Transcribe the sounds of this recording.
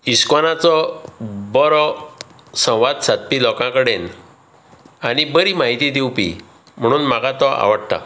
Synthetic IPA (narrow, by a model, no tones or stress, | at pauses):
iskɔnat͡sɔ | bɔɾɔ | sə̃w̃ʋad̪sat̪̚pilɔkãkəɽen | anibəɾimaɦit̪id̪iupḭ | m̤əɽ̃uːnmakat̪ɔʔa̰ʋəɽt̪a̰